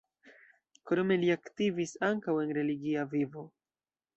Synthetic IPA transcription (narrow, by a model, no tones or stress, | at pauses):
koɾome̞liaktivisaŋkawe̞nɾe̞liɡiavivo̞